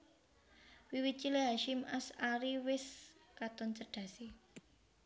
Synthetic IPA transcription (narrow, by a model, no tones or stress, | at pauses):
wiwit̪̚t͡ʃileɦaʃɪmasaɾiwɪskat̪ɔnsəɖ̥ä̤si